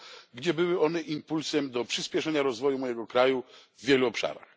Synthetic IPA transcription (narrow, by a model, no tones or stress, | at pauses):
ɡd͡ʑɛbɘwɘɔn̪ɛʔimpulsɛmd̪ɔpʂɘspʲjɛʂɛɲaɾɔzvɔjumɔjɛɡɔkɾajuvːʲjɛluɔpʂa̰ɾa̰x